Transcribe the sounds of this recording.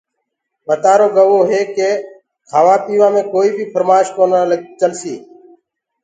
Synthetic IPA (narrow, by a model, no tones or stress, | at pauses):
mət̪aːɾoːɡəʋoːɦeːkeː | kʰaːʋaːpiːʋãːmẽːkoːiːbʱiːpʰəɾmaːʃkoːnaləɡt͡ʃəlsiː